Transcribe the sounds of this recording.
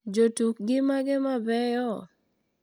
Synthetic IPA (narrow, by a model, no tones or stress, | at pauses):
d͡ʒotuk̚ɡɪmaɡɛmabɛjɔ